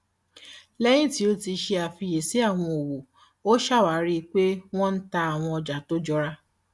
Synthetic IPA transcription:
lɛ˦j̃ĩ˦ti˨˦o˦ti˧ʃe˧a˨fi˧je˨si˨˦a˦˨w̃ɔ̃˧o˨wo˨ | o˦ʃa˦˨wa˨˦ɾi˦k͡pe˦w̃ɔ̃˦n̩˦ta˧a˨w̃ɔ̃˧ɔ˧d͡ʒa˨to˦d͡ʒɔ˦ɾa˦

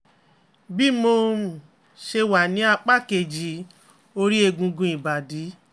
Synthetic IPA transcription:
bi˦mo˧˨ | ʃe˧wa˨nĩ˨˦a˧k͡pa˦ke˨d͡ʒi˨˦ | o˧ɾi˦e˧ɡũ˧ɡũ˧i˨ba˨di˨˦

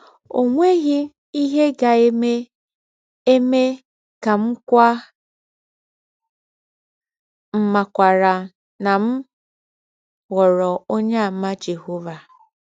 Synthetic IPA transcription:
o˨ŋʷe˦ɣi˦ | i˦ɦe˦ɡa˨e˦me˦ | e˦me˦ | ka˨m̩˦kʷa˦ | m̩˨ma˨kʷa˨ɾa˨ | na˨m̩˦ | ɣɔ˨ɾɔ˨o˦ɲa˦a˨m̩˦ma˦d͡ʒe˨ɦo˦va˨

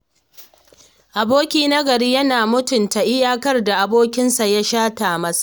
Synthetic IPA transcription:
ʔa˨boː˦kʲiː˦na˦ɡɐ˨ɾiː˦jɐ˦naː˨mʊ˦tʊ˨nta˨ʔɪ˦jaː˦kɐ˦rda˨ʔa˨boː˦kʲɪ˦nsa˨ja˦ʃaː˦taː˨mɐ˦sḁ˨

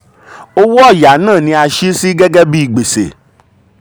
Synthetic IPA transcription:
o˦wɔ˦˨ja˨˦nãː˦˨nĩ˧a˧ʃi˦si˦ɡɛ˦ɡɛ˦bi˦i˨ɡ͡be˨sḛ˨

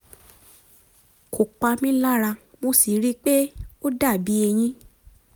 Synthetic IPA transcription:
kʰo˨k͡pa˧mĩ˦la˦ɾa˧mo˧si˨ɾi˦k͡pe˦o˦da˦˨bi˨˦e˧j̃ĩ˦

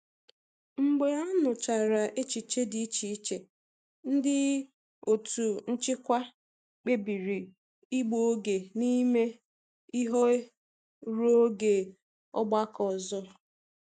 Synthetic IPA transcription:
ŋ͡m̩˨ɡ͡be˨a˦nʊ˨t͡ʃa˨ɾa˨ʔe˦t͡ʃi˨t͡ʃe˦di˦t͡ʃi˨i˦t͡ʃe˨ | n̩˦dɪ˦ | o˨tu˨n̩˦t͡ʃɪ˦kʷa˦ | k͡pe˦bi˨ɾi˨ | i˦ɡ͡bo˦ɡe˨ni˦me˦ | i˦ɦo˦ | ɾo˦ɡe˨ | ɔ̰˦ɡ͡ba˦kɔ˨zɔ˦

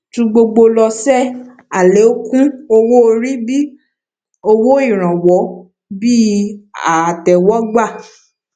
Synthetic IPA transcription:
tũ˧ɡ͡bo˧ɡ͡bo˧lɔ˧sɛ˦˨ | a˨le˨˦o˦kũ˦o˧wo˦o˧ɾi˦bi˦ | o˧wo˦i˦˨ɾ̃ã˨wɔ˨˦ | bi˦a˨tɛ˨wɔ˦ɡ͡ba˦˨

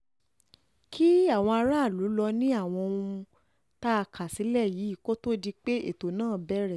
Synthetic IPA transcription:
kʰi˦a˦˨w̃ɔ̃˧a˧ɾa˦˨lu˨˦lɔ˧nĩ˦a˦˨w̃ɔ̃˧ũ˧ | ta˦˧kʰa˨si˨˦lɛ˦˨ji˨˦i˦˨ko˦to˦di˧k͡pe˦ḛ˦˨to˨nãː˦˨bɛ˦ɾɛ˦˨

